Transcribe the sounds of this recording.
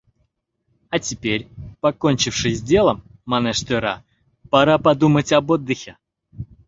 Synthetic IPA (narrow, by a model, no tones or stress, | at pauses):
ɐtʲɪpʲeɾʲpɐkonʲt͡ɕɪfʂɨsʲdʲe̞lˠəmː | ɐnɛʂt̪ɨɾa̰ | pɐɾapɐd̪umətʲɐbo̞d̪ːɨxʲɪ